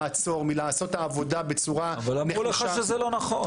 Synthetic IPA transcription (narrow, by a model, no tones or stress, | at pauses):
t͡so̞ʁmilaːso̞t̪aːvo̞dabet͡suʁaavalamneʁuleχaaʃezɛlo̞naχo